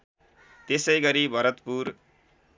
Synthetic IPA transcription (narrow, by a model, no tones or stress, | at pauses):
t̪esʌjɡʌɾibʱʌɾʌt̪puɾ